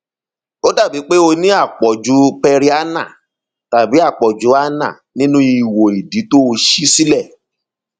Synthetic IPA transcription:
o˦da˦˨bi˨˦k͡pe˦o˧nĩ˦a˦˨k͡pɔ˨d͡ʒu˨˦pɛ˧ɾi˦a˦nã̰˦˨ | ta˨bi˨˦a˦˨k͡pɔ˨d͡ʒu˨˦a˦nã̰˦˨nĩ˦nũ˦i˧i˨wo˨i˨di˨˦to˦o˧ʃi˦si˦lɛ˦˨

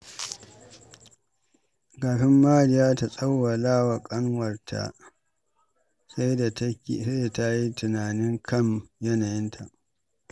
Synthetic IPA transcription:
ɡaː˨ɸɪ˦mːaː˦lɪ˦jaː˦ta˨sʼɐ˦wːa˨laː˦wa˨kʼɐ˦ŋwɐ˨rtʰa̰˨ | ssa˦da˨ta˦ji˦tʊ˨naː˨nɪ˦ŋkʰɐ˦˨mjɐ˦na˨jɪ˦ntʰa˨ʔ

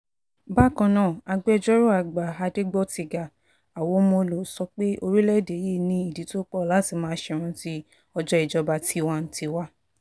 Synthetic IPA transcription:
ba˦˨kã˧nãː˦˨a˧ɡ͡bɛ˦˧d͡ʒɔ˦ɾo˦a˨ɡ͡ba˨a˧de˦ɡ͡bɔ˦˨ti˧ɡa˨ | a˨wo˨˧˦mõ˧lo˨sɔ˧k͡pe˦o˧ɾi˦lɛ˦˨de˨˦je˦˨nĩ˦i˦˨di˨˦to˦k͡pɔ˦˨la˦ti˨˧˦mãː˧˦ʃɛ˧ɾ̃ɔ̃˧ti˦ | ɔ˧d͡ʒɔ˦i˨d͡ʒɔ˧ba˧ti˧wa˦n̩˨ti˧wa˦

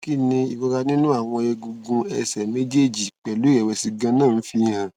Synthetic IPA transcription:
ki˦˨nĩ˧i˨ɡɔ˧ɾa˧nĩ˦nũ˦a˦˨w̃ɔ̃˧ɛ˧ɡu˨˧ɡũ˧ɛ˧sɛ˨me˦d͡ʒe˦˨d͡ʒi˨k͡pɛ˨lu˦ɛ˨wɛ˨si˧ɡã˧nãː˦˨˦fi˧hã˨

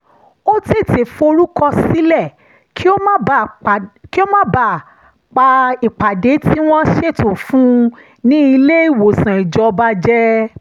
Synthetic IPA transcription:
o˦te˦˨te˨fo˧ɾu˦kɔ˧si˦lɛ˦˨ | kʰi˦o˦mã˦˨ | ki˦o˦mã˦ba˦˨ | k͡pa˧i˨k͡pa˨de˨˦ti˦w̃ɔ̃˦ʃe˦˨tõ˨fũ˦ | nĩ˦i˧le˦i˦˨wo˨sã˨i˨d͡ʒɔ˧ba˧d͡ʒɛ˦

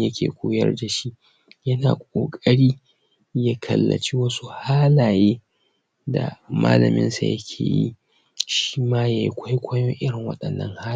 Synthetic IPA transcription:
jɐ˦kʲʰḛː˨kʷʰoː˦jɐ̰˦rda˨ʃi˦ | jɐ˦naː˨kʷʼoː˨kʼɐ˦ɽiː˦ | ja˦kʰɐ˨lːɐ̰˨t͡ʃi˦wɐ˦su˦haː˦laː˨jeː˦ | da̰˨ma̰ː˦lɐ̰˨mɪ̰˦nsa̰˨jɐ̰˦kʲʰeː˨jḭ˦ | ʃi̥iː˦maː˦ja˨ji˦kʷʰa˦jkʷʰɐ˦jo˦ʔɪ˦ɽɪ˨ŋwɐ̰˦ɗɐ˨nːɐ˦ŋhaː˦˨

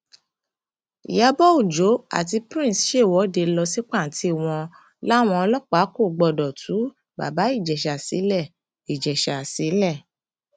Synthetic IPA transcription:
ḭ˨ja˨˧bɔ˦u˦˨d͡ʒo˨˦a̰˦˨t̬i˧pɾĩ˦˨sʃe˦˨wɔ˨˦de˧lɔ˧si˦k͡pa˦˨n̩˨˦tʰi˧˦˨w̃ɔ̃˧ | la˦˨w̃ɔ̃˧ɔ˧lɔ˦k͡pa˨˦ko˦˨ɡ͡bɔ˧˨dɔ˨tʰu˨˦ | ba̰˨ba˨˦i˦˨d͡ʒɛ˨ʃa˨sḭ˨˦lɛ˦˨ | i˨d͡ʒɛ˨ʃa˨si˨˦lɛ˦˨

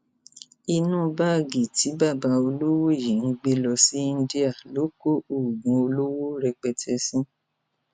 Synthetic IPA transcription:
i˧nũː˦ba˦˨ɡi˨ti˨˦ba˦˨ba˧o˧lo˦wo˦˨ji˨ñ̩˧˦ɡ͡be˦lɔ˧si˨˦ĩ˦˧˦di˦a˦˨lo˨˦ko˦o˨ɡũ˨˧o˧lo˦wo˦ɾɛ˧k͡pɛ˧tʰɛ˧˦sĩ˦

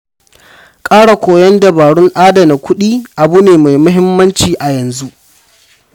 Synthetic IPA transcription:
kʼaː˦ɽa˨kʷoː˨jɐ˦nda˨baː˨ɽʊ˦ŋʔaː˦dɐ˨na˨kʷʰʊ˦ɗiː˦ʔa˨bu˦neː˨ma˨jmʊ˦ɦɪ˦mːɐ˦nt͡ʃiː˨ʔa˨jɐ˨nzu˦ʔ

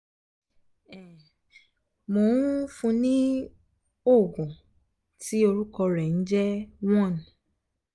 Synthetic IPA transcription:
ɛ˨ | mo˨n˦fũ˧nĩ˦ | o˦˨ɡũ˨ | ti˦o˧ɾu˦kɔ˧ɾɛ˨n̩˦d͡ʒɛ˦w̃ɔ̃˦˨nĩ˨

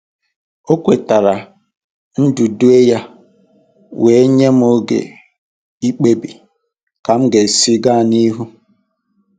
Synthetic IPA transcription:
o˦kʷe˨ta˨ɾa˨ | n̩˦du˨du˦e˦ja˦ | wʔe˨e˦ɲe˦m̩˦o˦ɡḛ˨ | i˦k͡pe˦bi˨ | ka˨m̩˦ɡe˨si˦ɡa˦˨ni˦ɦu˦

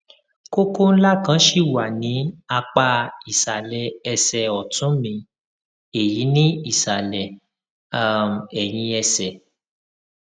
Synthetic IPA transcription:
ko˦ko˦n̩˦la˦˨kã˨˦ʃi˨wa˨nĩ˨˦a˧k͡pa˧i˨sa˨lɛ˨ɛ˧sɛ˨ɔ˨tũ˨˦mĩ˧ | e˨ji˨˦nĩ˦i˨sa˨lɛ˨ | a˨m˨ɛ˨j̃ĩ˧ɛ˧sɛ˨

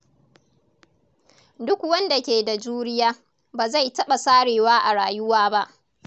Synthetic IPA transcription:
dʊ˦kwɐ˦nda˨kʲeː˨da˨d͡ʒuː˦ɾɪ˦jaː˦ | baː˨za˦˨jtɐ˦ɓa˨saː˦ɽeː˨waː˦ʔa˨ɽaː˨jʊ˦waː˦ba˦ʔ

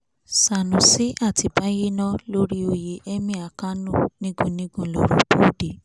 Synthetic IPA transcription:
sa˨nũ˨si˨˦a˦˨ti˧˨ba˨˦je˦nɔ̃˦lo˦ɾi˦o˧je˧ʔɛ˦mĩ˦˨a˨ka˦nũ˦˨nĩ˦ɡũ˦nĩ˦ɡũ˧˨lo̰˨ɾo̰˨bũ˦de˨

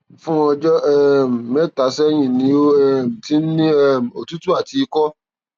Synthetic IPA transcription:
fũ˦ɔ˧d͡ʒɔ˦ɛ˦˨m̩˨me˦˨ta˨˦sɛ˦j̃ĩ˦˨nĩ˨˦o˦ɛ˦˨m̩˨ti˦n̩˦nĩ˦ɛ˦˨m̩˨o˨tu˦tu˦a˦˨ti˨˦˧kɔ˦

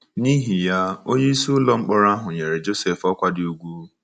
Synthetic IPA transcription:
ni˦ɦi˨ja˦o˦ɲe˦i˦su˦lɔ˦ŋ͡m̩˦k͡pɔ˦ɾa˦a˦ɦʊ˨ɲe˨ɾe˨d͡ʒo˦se˨fɔ˦kʷa˦dɪ˦u˦ɡʷu˦

